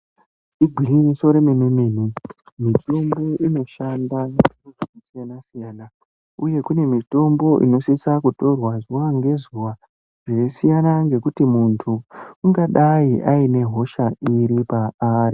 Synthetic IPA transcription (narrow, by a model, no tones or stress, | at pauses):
iɡʱilimiso̞ɾemememeːn̤u | mito̞mbo̞ʔino̞ʃandatinoʐirisijanasijana | uje̞kune̞mito̞mbo̞ʔḭno̞sisakuto̞rwazuʋaŋɡe̞zuʋa | ʐ̥esijanaŋɡe̞kutimuntʰuːŋɡaɗaiʔaine̞ɦo̞ʃaiɾipaaːri